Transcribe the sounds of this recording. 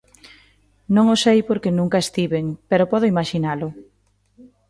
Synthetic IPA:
nõŋosejpoɾkenũŋkaest̪iβeŋpɛɾopɔðʊimaʃinalʊ

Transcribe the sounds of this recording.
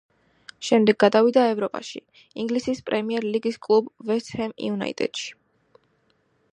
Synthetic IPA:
ʃɛmd̪ɛɡːad̪avid̪aɛvɾɔpʼa̰ʃḭ | iŋɡlisispʼɾɛmiɛɾliɡiskʼlˠubvɛst̪hɛmj̰una̰ḭt̪ʼɛ̰d̪̥ʃi̥

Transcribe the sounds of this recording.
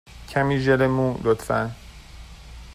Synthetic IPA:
cʰæmiːʒelemũːlot̪fæn

